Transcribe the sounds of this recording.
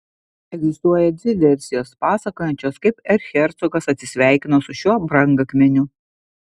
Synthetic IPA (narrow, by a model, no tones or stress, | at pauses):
ɛɡʲzʲɪst̪uɔjɛd̪ʲɪd̪ʲɛɾʲsʲɪjoːspɑːsɐkoːjɛnʲt͡ʃʲoːskɐɪpɛɾxʲɛɾʲt̪sɔɡɐsɐt̪ʲsʲɪsʲʋʲæˑɪkʲɪnɐsʊʃʲuɔbɾɐŋɡɐkmʲɛnʲʊ